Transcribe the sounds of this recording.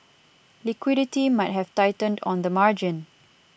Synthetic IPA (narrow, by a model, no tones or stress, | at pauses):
likwiɾitimaɪt̚ɦɛvtajtə̃ndɔ̰̃nd̪əmaɹd͡ʒɪ̃n